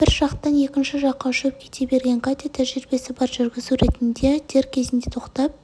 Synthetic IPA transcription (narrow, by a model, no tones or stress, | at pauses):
b̥ɪɾʒ̥ɑqt̪ɑnje̞kʲɪnʃɪʒɑqːɑʃɵp̚kʲʰe̞̥t̪ʰe̞be̞ɾɡʲe̞ŋkʰat̪ʲet̪ʰæʒɪɾbe̞sɪbɑɾʒʏɾɡʲɪzuɾe̞t̪ɪnd̪e̞t̪ʰe̞ɾkʲʰe̞zɪnd̪e̞t̪ʰo̞qt̪ɑp̚